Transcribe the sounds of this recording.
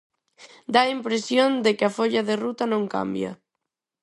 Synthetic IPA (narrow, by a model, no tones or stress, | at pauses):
d̪aimpɾesjond̪ekɪafoʎaðerut̪ɐnõŋka̰mbjɐ̰